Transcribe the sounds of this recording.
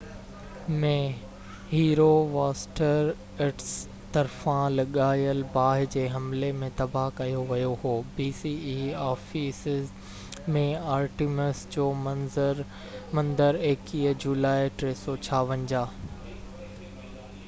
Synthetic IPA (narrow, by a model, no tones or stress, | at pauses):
mẽ | ɦiːɾoʋaːsʈəɾ | ɪʈs | t̪ɐɾfãlɐɠaːjəlbaːɦɪd͡ʑeːɦɐmlemẽt̪ɐbʱakɐjoʋɐjoɦoːbiːsiiːɔːfisɪz | mẽaːɾʈiməsd͡ʑoːmɐzəɾ | mɐ̃nd̪əɾeːkiːɦd͡ʑuːlaːeʈɾeːsɔt͡ɕʰaːʋə̃nd͡ʑaː